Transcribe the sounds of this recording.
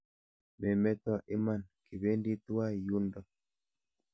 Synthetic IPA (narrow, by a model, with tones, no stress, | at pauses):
mɛ˨mɛ˦t̪ɔ˦ʔɪ˦ma˦˨nki˨be˦ndi˦t̪wa˦ju˦ndɔ˦˨